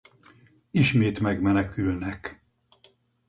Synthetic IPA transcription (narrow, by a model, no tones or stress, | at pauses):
iʃmeːt̪mɛɡmɛnɛkylnɛk